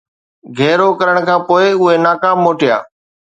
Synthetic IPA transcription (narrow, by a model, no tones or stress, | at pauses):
ɡʱɛːɾokɐɾəɽ̃kʰãːpoːɪʊɦenaːkaːmːoːʈija̰ː